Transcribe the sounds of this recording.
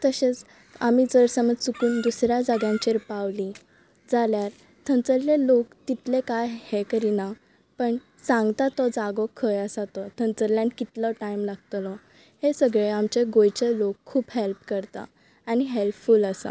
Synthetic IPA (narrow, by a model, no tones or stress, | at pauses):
t̪əɕet͡s | amiːd͡zəɾsəməd͡zsukuːnd̪usɾjad͡zaɡjãɲt͡ɕeɾpaʋli | d͡zaljaɾ | t̪ʰə̃nt͡səlːelokt̪it̪lekajhɛkəɾina | pəɳ | sãŋɡt̪at̪ɔd͡zaɡɔkʰəjəsat̪ɔt̪ʰənt͡səɾljãnkit̪ləʈajmlaɡt̪lɔ | hesəɡɭeamt͡ɕeɡojt͡ɕelokʰːuːbɦelpkəɾt̪a̰ː | niɦelpfuləsa̰